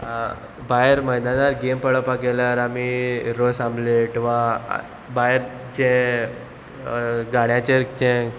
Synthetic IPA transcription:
baɦəɾməjd̪anaɾɡempəɭəpakelaɾamiɾosãmbleʈĩʋa̰ | bajəɾ | t͡ɕẽ | ɡaɽjat͡ɕekt͡ɕẽ

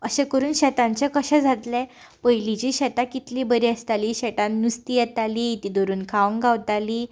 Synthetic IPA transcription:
əɕɛkəɾuːnɕɛt̪ãɲt͡ɕakəɕɛ̃d͡zʱat̪lɛ̃ | pəjlit͡ɕiːɕɛt̪akit̪libəɾiːəst̪aliːɕɛt̪ãnːust̪ijɛt̪aliːt̪id̪oɾuːnkʰaʋəŋɡawt̪aliː

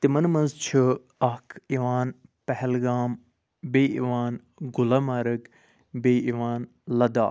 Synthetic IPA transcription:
t̪imɐnmɐnzt͡ʃʰu | akʰiʋaːnpɐɦɛlɡaːm | beːḭʋaːn | ɡʊlɐmɐɾɐk | beːiʋaːn | lɐd̪a̰ː

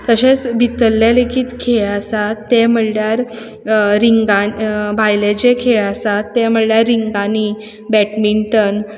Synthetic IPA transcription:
t̪əɕet͡sbʱit̪əlːjalekʰiːt̪kʰeɭasat̪ːɛm̤əɽɽjaɾ | ɾiŋɡanbʱajled͡ʑekʰeɭasat̪ːɛm̤əɽljaɾːiŋɡani | bɛʈmiɳʈən

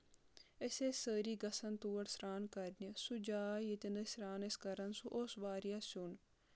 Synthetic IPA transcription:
esʲesəːɾiːɡɐsɐnt̪uːɐɽsɾaːnkɐɾnʲisud͡ʒaːjet̪enəsʲɾaːneskɐɾɐnsuʔoːsʋaːɾijasʲun

